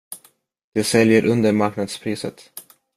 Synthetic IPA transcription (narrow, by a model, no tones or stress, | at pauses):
d̪̥ɛsɛljəɾʔɵnd̪əɾmaɾknad̪spʰɾiːsə̰t̪